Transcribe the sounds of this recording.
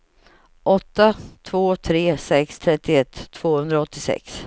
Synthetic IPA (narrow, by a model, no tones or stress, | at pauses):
ʔɔt̪ːat̪ʰvoːt̪ʰɾeːsɛkst̪ʰɾɛt̪ːɪɛt̪ʰːv̥oːhɵnd̪ɾaɔt̪ːɪsɛ̰ks